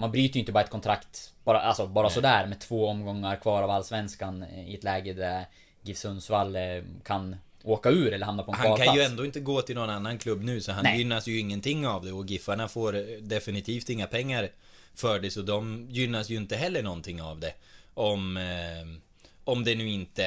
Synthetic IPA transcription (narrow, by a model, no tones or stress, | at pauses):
manbɾyːt̪əjʏɪnt̪əbːɾɛt̪kʰɔnt̪ʰɾakt̪b̥ɑːɾaʔalsɔbɑːɾasɔd̪æɾmɛt̪ʰvoːɔmɡɔŋːaɾkʰvɑːɾavalːsvɛnskanɪ̰ɛt̪lɛːɡəd̪æɾ | ɡɪfsɵnsvalkʰan | oːkaʉ̟ːɾɛlːəɾhamnapɔɛhakʰanjɵɛnd̪oːɪnt̪əɡoːt̪ʰɪlnɔnanːankʰlɵbːnʉ̟ːsɔɦanjʏnːasjɵɪŋːənt̪ʰɪŋːavd̪ɛɔɡɪfːaɳafoːɾd̪ɛfɪnɪt̪ʰiːft̪ɪŋːapʰɛŋːaɾ | fœːɖɛsɔd̪ɔmjʏnːasjɵɪnt̪əɦɛlːəɳɔnt̪ʰɪŋːavd̪ɛɔm | ɔmd̪ɛnʉ̟ːɪnt̪ə